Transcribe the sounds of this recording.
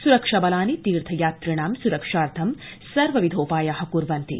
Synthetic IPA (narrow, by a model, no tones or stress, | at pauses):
suɾɐkʂɐbɐlaːnit̪iːɾt̪ʰɐjaːt̪ɾiɳaːmsuɾɐkʂaːɾt̪ʰɐm | sɐɾʋɐʋid̪ʱoːpaːjaɦɐkuɾʋɐnt̪ḭ